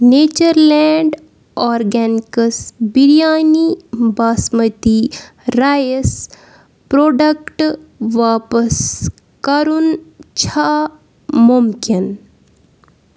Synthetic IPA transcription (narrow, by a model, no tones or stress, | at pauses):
neːt͡ʃəɾlɛɳɖ | ɔːɾɡɛːnikəsbiɾijaːnibaːsmət̪i | ɾaːjəs | pɾoːɖɐkʈʋaːpəs | kɐɾunt͡ʃʰa | mumkin